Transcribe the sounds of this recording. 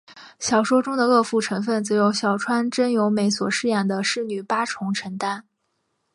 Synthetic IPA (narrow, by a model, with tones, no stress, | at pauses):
ɕjɑ˨˩ʊʂwɔ˥ʈ͡ʂʊ˥ŋd̪ə˨ɤ˥˧fu˥˩ʈ͡ʂʰɤ˧˥ŋfə˥˩nt͡sɹ̩˧˥jo˧˥ʊɕjɑ˨˩ʊʈ͡ʂʰwa˥nʈ͡ʂə˥njo˧˥ʊme˧˥ɪswɔ˨˩ʂɻ̩˥˧jɛ˥˩nd̪ə˩ʂɻ̩˥˩ny˨˩pa˥ʈ͡ʂʰʊ˧˥ŋʈ͡ʂʰə˧˥ŋt̪a˥n